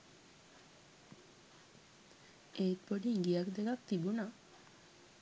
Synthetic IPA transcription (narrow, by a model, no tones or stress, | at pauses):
et̪̚poɖiŋɡijakd̪ekakt̪ibuna